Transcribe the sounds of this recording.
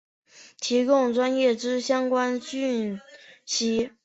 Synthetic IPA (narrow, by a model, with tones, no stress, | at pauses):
t̪ʰi˧˥kʊ˥˩ŋʈ͡ʂwa˥njɛ˥˩ʈ͡ʂɻ̩˥ɕjɑ˥ŋkwa˥nɕy˥˩n | ɕi˥